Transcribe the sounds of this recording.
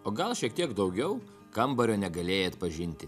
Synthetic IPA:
oːɡɐlˠʃʲiɛk̚t̪ʲiɛkd̪ɒʊɡʲɛʊ | kɐmbɐɾʲoːnʲɛɡɐlʲeːjɛɐt̪pɐʒʲɪnʲt̪ʲɪ

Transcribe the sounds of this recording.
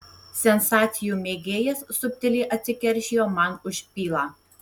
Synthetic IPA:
sʲɛnsɑːt̪sʲɪjuːmʲeːɡʲeːjɛssʊpʲt̪ʲɪlʲiːʔɐt̪ʲsʲɪkʲɛɾʲʃʲiːjoːmɑnʊʃʲpʲiːlˠɑː

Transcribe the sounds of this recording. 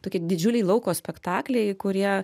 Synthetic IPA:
t̪oːkʲiɛd̪ʲɪd͡ʒʲʊlʲɛɪlˠɔʊkoːsʲpʲɛkt̪ɑːklʲɛɪkʊɾʲiɛ

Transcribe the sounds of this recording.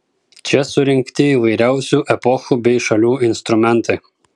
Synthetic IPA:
t͡ʃʲɛsʊɾʲɪŋʲkt̪ʲɪiʋɐɪɾʲæˑʊsʲuːʔɛpɔxuːbʲɛɪʃɐlʲuːɪnst̪ɾʊmʲɛnˑt̪ɐɪ

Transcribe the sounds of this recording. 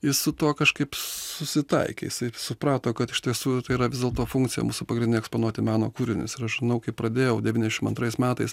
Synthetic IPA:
jɪsʊt̪uɔkɐʃkɐɪpsʊsʲɪt̪ɐ̰ɪkʲḛjɪsɐɪsʊpɾɑːt̪oːkɐt̪ɪʃʲt̪ʲiɛsuːt̪ɐɪiːɾɐʋʲɪzʲdʲeɛlˠt̪oːfuŋkt̪t͡ssʲɪjɛ̰muːsʊpɐɡɾɪnʲɪɛkspoːnuɔt̪ʲɪmɑːno̰ːkuːɾʲɪnʲʊ̰sɪɾɐʃʒʲɪnɐʊkɐɪpɾɐd̪ʲeːjɛʊd̪ʲɛʋʲiːnʲɛzʲɛʃɪmɐnt̪ɾɐɪsmʲæːt̪ɐɪs

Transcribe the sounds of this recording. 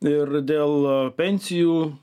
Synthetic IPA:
ɪrd̪ʲeːlˠpʲɛnʲsʲɪjuː

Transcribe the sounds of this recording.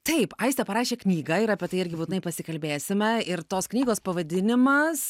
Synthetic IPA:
t̪ɐɪpɐɪst̪ʲɛpɐɾɑːʃʲeːknʲiːɡɐɪɾɐpʲiɛt̪ɐɪɪɾʲɡʲɪbuːt̪ʲɪnɐɪpɐsʲɪkɐlʲbʲeːsʲɪmʲɛɪɾt̪oːsknʲiːɡoːspɐʋɐd̪ʲɪnʲɪmɐs

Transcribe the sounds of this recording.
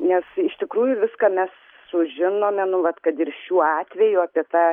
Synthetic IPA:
nʲɛsɪʃt̪ʲɪkɾuːjʊʋʲɪskɑːmʲɛs | sʊʒʲɪnoːmʲɛnʊʋɐt̪kɐt̪ɪɾʃʲuːɑːt̪ʲʋʲɛjʊɑːpʲiɛt̪ɑː

